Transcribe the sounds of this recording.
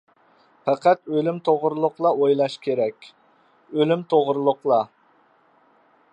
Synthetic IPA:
pæqæt̪ølymt̪ʰoʁɾɨlˠʊqlˠɑojlˠɑʃkʲʰeɾɛkʲ | ølymt̪ʰoʁɾɨlˠʊqlˠɑ

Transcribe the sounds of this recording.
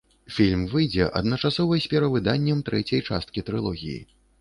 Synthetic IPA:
fʲilʲmvɨjd͡zʲɛʔɐ̰d̪nɐt͡ʂasɔvɨjsʲpʲɛɾɐvɨd̪anʲːɛmt̪ɾɛt͡sʲɐjt͡ʂa̰st̪̚kʲit̪ɾɨlˠɔɣʲḭjḭ

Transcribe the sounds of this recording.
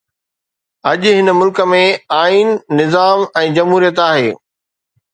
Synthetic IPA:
ɐʄɦɪnəmʊlkə̆mẽaːiːnːɪzaːmɛ̃ːd͡ʑɐmɦuːɾijət̪aːɦḛː

